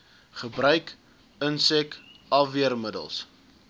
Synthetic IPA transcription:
χəbrœɥk | ənsɛkɐviərmədə̰lˠs

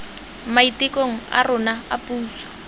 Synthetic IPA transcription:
maitikʼoŋ̩a̰rʊnaapʼuːsḁ

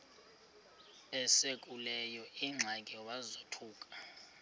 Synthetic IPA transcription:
ɛsekʼulɛjɔiŋ͡ǁʱakʼiɔwazotʰuːkʼḁ

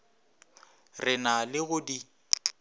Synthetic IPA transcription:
rɪnalɪɣʊdi

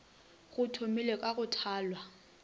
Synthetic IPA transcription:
ɣʊtʰomilekʼaɣʊtʰaːlwa

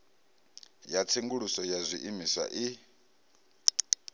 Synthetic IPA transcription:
jat͡sʰeŋɡuɺusɔjazʷiʔimisa̰ʔi

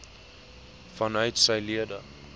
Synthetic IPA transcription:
fɐnœɥtsɛjliədə

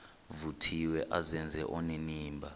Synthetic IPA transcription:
vutʰiwɛʔazɛnd͡zʱɛʔɔneniːmbʱa

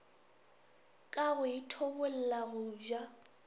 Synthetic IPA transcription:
kʼaɣʊitʰobʊl̩laɣʊd͡ʒwa

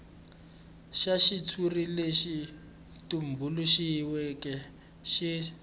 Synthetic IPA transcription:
ʃaʃit͡sʰurileʃi | tum̩bʱuluʃiwɛkɛ | ʃi

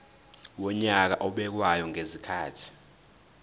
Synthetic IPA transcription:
wɔɲak̬a̰ʔɔɓɛk̬wajɔŋezikʰaːtʰi̥

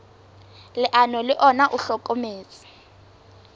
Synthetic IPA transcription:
lɪʔanɔlɪʔɔnaʔuɬɔkʼomeːt͡sʼi̥

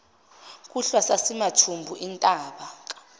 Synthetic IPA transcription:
kʼuɬwasasimatʰumbʱuʔintʼaːɓak̬ʼ

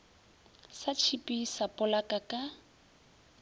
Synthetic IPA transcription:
sat͡ʃʰipʼisapʼʊlakʼakʼa

